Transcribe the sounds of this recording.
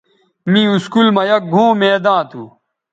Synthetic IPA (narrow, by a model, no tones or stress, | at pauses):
mĩuskulmɐjɐk̚bʱõːmeːd̪ãːt̪ʰu